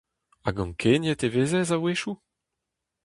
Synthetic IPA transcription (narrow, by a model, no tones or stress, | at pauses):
aɡɑ̃ŋkʰenjɛt̪eveːzɛzaweʃu